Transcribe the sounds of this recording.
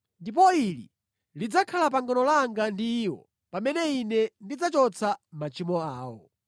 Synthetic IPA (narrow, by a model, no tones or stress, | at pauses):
ndip̬ɔilḭ | lid͡zakʰalap̬aŋɡɔnɔlaŋɡandiːwɔ̰ | pamɛnɛinɛndid͡zat͡ʃɔt͡sʰamat͡ʃʰimɔaːwɔ̰